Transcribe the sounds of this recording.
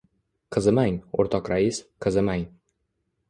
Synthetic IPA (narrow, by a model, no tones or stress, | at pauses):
qʰɨzɪmaŋo̰ɾt̪ʰɒqɾaisqʰɨzɪmaŋ